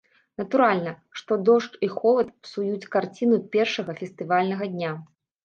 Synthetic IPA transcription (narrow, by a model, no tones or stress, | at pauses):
nɐt̪uɾalʲnɐ | ʂt̪ɔd̪ɔʂt͡ʂixɔvɐt̪̚psujut͡sʲkart͡sʲinupʲɛrʂɐɣɐfʲɛst̪ɨvalʲnɐɣɐd̪ʲnʲa